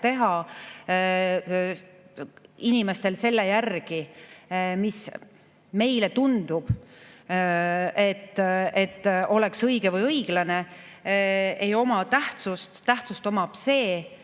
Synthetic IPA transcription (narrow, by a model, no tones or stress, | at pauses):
t̪e̞ɦɑ | inime̞st̪e̞lse̞lːejærɡ̥i | mis | me̞jlet̪und̪̥ub̥ | e̞t̪ːˑet̪ːo̞le̞ksɤjɡ̥evɤjɤjɡ̥lɑne̞ | ejo̞mɑt̪æht̪sust̪t̪ːæht̪sust̪o̞mɑb̥se̞ː